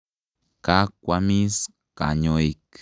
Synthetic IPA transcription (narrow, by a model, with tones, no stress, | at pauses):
ka˦kʷami˦s | ka˨ɲo˦ik